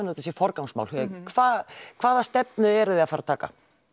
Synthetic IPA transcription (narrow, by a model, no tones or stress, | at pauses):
not̪ɛsjɛfɔɾkawŋsma̰wlhkʰvaːðkʰv̥aːðast̪ɛpnʏɛɾðɪaðfaɾat̪ʰaːka̰